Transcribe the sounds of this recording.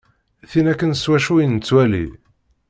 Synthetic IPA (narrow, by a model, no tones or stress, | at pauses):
θinækːənswæʃujənət͡sːwælḭ